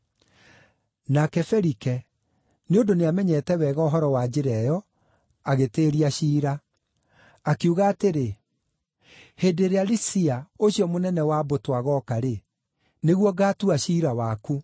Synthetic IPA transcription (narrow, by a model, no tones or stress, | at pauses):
nakɛfɛɾikɛ | neondoneamɛɲɛtɛwɛɣɔɦɔɾɔwad͡ʑeɾɛjɔ | aɣeteːɾiaɕiːɾa | kuɣaːteɾe | heːdeɾealisiaoɕiɔmonɛnɛwabotwaɣɔkaɾe | neɣwɔɡaːtuaɕiːɾawaːku